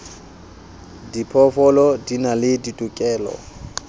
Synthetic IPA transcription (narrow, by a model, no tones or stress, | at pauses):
dipʰɔfɔlɔdinalɪditʼukʼɛːlɔ̰